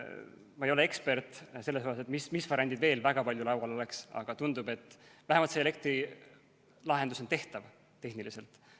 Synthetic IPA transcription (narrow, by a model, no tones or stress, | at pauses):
mɑejo̞lee̞kspe̞rt̪ˑse̞lːeshohɑse̞t̪mismisvɑrjɑnd̪̥id̪ve̞ːlvæɡ̥ɑpɑlʲjulɑwɑlo̞le̞ksɑ̰ɡ̥ɑt̪und̪ube̞t̪ːˑvæɦemɑlt̪seele̞kt̪ɾi | lɑɦe̞nd̪uso̞nt̪e̞ht̪ɑv | t̪e̞hnilise̞lt̪ˑ